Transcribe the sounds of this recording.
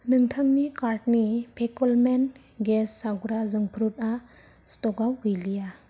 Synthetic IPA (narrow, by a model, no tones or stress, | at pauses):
nɯŋtʰaŋnikaɾt̚nipʰekɔlmen | ɡesːawɡɾazɯŋpʰɾut̚a | stɔɡawɡɯjlija